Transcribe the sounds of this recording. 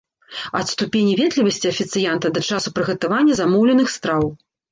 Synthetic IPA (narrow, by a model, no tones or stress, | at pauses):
ɐt̪st̪upʲenʲivʲɛd̪lʲivɐsʲt͡sʲiɐfʲit̪sɨjant̪ɐd̪ɐt͡ʂasupɾɨɣɐt̪avanʲːɐzamɔwlʲɛnɨxst̪ɾaw